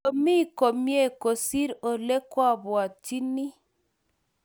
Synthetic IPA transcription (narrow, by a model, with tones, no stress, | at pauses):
o˨mi˦˨ko˨mje˦˨ko˨si˦ɾo˨le˦kwa˦bwa˨t͡ʃi˦ni˦